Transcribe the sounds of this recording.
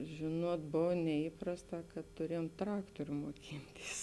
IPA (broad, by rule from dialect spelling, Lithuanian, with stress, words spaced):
ˈʒʲeːˌnuɔt ˈboːw nʲɛiːˈprɑːsˌtɑː kɐt tʊˈrʲiɛjoːm ˈtrɑːktoːrʲʊ moːˈkʲɪnʲˌtʲiːs